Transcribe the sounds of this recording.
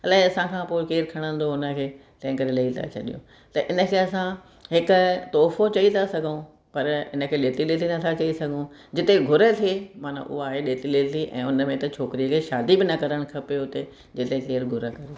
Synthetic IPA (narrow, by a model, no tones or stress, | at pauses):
ɐlaːiɐsãkʰãːpoːɪkeːɾkʰɐɽ̃ə̃nd̪oʊnə̆kʰeːt̪ɐ̃ɦɪ̃kɐɾelɐit̪ʰa̰t͡ɕʰɐɗijõ̰ | t̪ɐʔɪnə̆kʰeːɐsã | ɦɪkʊ̆t̪ɔːfot͡ɕɐit̪ʰasɐɡʱõ | pɐɾɪ̰nə̆kʰeːleːt̪ilet̪ʰinɐt̪ʰat͡ɕɐisɐɡʱõd͡ʑɪt̪eɡʱʊɾət̪ʰiemaːn̤a̰ʔʊ̰ɦaːɦeɗeːt̪ileːt̪ʰiʔɛ̰̃ːʊnəmẽt̪ɐt͡ɕʰoːkɪɾiəkʰeːʃaːd̪ibɪnɐkɐɾəɽ̃kʰɐpeʊt̪e | d͡ʑɪt̪ekeːɾɡʱʊɾəkɐɾe